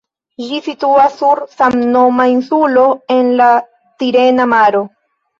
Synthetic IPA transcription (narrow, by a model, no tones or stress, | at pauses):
d͡ʒisituasːuɾsamno̞mainsulo̞e̞nla | tiɾe̞namaɾo̞